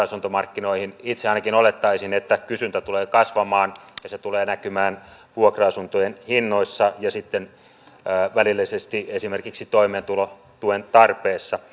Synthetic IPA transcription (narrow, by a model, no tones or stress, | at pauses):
ɑsunt̪omɑrkːinoihinit̪seɑinɑkinolet̪ːɑisinet̪ːækysynt̪æt̪uleːkɑsʋɑmɑːnjɑset̪uleːnækymæːn | ʋuokroɑsunt̪ojenhinːoisːɑjɑsit̪ːenː | ʋælilːisest̪iesimerkiksit̪oimeːnt̪ulo | t̪uent̪ɑrpeːsːɑ